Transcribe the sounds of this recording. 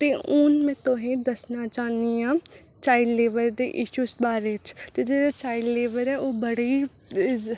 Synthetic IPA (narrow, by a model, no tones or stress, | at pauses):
t̪eːʔʊnmɛ̃ːt̪oɦẽːd̪əsnaːt͡ʃaːniãː | t͡ʃaːiɖleːʋəɾd̪ḛːʔɪʃuːsbaːɾeːt͡ʃt̪eːd͡ʒeːɽaːt͡ʃaːiɖleːʋəɾɛːʔoːbəɽiː